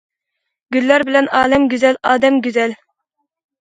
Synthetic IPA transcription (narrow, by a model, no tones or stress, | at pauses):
ɡʲylːæɾbɪlɛnɑːlɛmɡʲyzɛlɑːd̪ɛmɡʲyzɛl